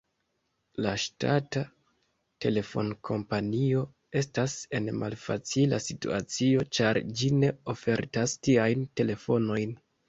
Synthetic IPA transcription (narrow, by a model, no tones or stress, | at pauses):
laʃtata | te̞le̞fo̞̰nkʰo̞mpanio̞ | e̞stase̞nmʔa̰lfa̰t͡sila̰sitṵat͡sio̞t͡ʃaɾd͡ʒine̞o̞fe̞ɾtastiajnte̞le̞fo̞no̞jn